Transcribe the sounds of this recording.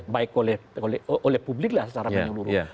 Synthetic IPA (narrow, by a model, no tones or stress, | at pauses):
baɪkolɛholʔolɛhpublɪk̚lahsət͡ʃaɾaməəluɾu